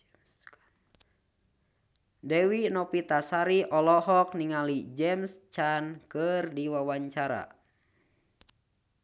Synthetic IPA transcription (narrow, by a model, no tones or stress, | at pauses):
dɛwinɔpit̪asaɾiʔɔlɔɦɔk̚niŋalid͡ʒɛmst͡ʃankɨrdiwawaɲt͡ʃaɾa̰